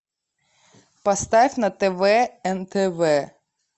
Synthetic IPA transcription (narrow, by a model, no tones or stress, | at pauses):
pɐst̪afʲnɐt̪ɛvɛɛnt̪ɛvɛ